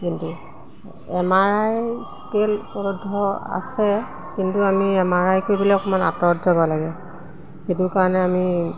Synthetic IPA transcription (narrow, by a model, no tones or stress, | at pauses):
kintu | ɛmaɹajskelpɔɹudʱːɔa̰sɛ | kintuamiɛmaɹajkojbilakɔmana̰tɔɔdzabɔlaɡɛ | xetʊɹkaɹɔnɛami